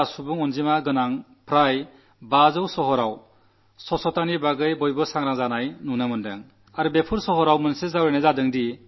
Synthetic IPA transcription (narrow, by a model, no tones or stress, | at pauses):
asubuŋɔnzimaɡɯnaŋpʰɾaj | bazɯwsɔɦɔɾaw | sɔsɔtanibaɡɯjbɔjbɔsaŋɾaŋzanajnunɯmɯndḛŋ | aɾubepʰuɾsɔɦɔɾawmɯnsezawɾenɯzadɯŋdi